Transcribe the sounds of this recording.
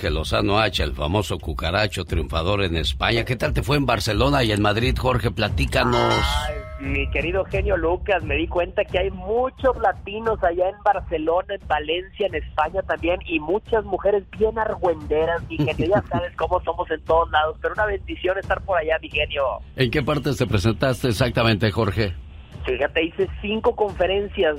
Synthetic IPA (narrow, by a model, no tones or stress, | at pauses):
elo̞̰sa̰noat͡ʃaḛlfa̰mo̞so̞kukaɾat͡ʃo̞t̪ɾiṵɱfað̞o̞ɾe̞ne̞spaɲake̞t̪alt̪e̞fwe̞ːmbaɾse̞lo̞naie̞nmaðɾiðxo̞ɾxe̞plat̪ikanosjike̞ɾiðo̞xe̞njo̞lukasme̞ðikwe̞nt̪akeajmut͡ʃo̞zlat̪ino̞saʝaenbaɾse̞lo̞naembale̞nsjaene̞spaɲat̪ambje̞nimut͡ʃazmuxe̞ɾe̞zbje̞naɾɣwe̞nd̪e̞ɾazmixe̞njoʝasaβe̞sko̞mo̞so̞mo̞se̞nt̪o̞ðozlað̞ospeɾounaβe̞nd̪isjo̞ne̞st̪aɾpo̞ɾaʝamixe̞njo̞eŋke̞paɾt̪e̞se̞pɾes̬e̞nt̪ast̪eːsak̚t̪amẽ̞nt̪e̞xo̞ɾxe̞ | fixat̪e̞ise̞siŋko̞ko̞ɱfe̞ɾe̞nsjas